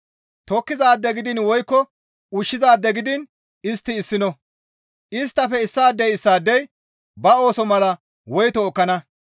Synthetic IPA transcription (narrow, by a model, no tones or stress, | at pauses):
t̪ɔkːɪzaːd̪ːɛɡɪd̪ɪnwɔjkːɔ | ʊʃːɪzaːd̪ːɛɡɪd̪ɪn | ɪst̪ːɪːsːɪnɔ | ʔɪst̪ːɐfɛɪsːaːd̪ːɛjɪsːaːd̪ːɛj | bɐo̞ːsɔmɐlɐ | wɔjt̪ɔːkːɐnɐ